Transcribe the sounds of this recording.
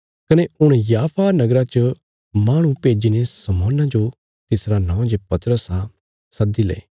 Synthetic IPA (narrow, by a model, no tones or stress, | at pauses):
kɐneʊɽ̃jaːpʰanɐɡɾat͡ʃə | maːɽ̃ũpeːd͡ʒinesɐmoːnãd͡ʒo | t̪ɪsɾanãːd͡ʒepɐt̪ɾəsa | sɐd̪ilḛː